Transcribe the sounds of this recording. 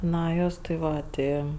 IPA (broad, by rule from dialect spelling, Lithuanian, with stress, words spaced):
ˈnɐ ˈjoːs tʲɪ ˈʋɐ ˈtʲɪ